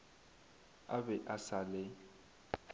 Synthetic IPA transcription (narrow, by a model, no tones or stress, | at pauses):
abɛʔasalɛ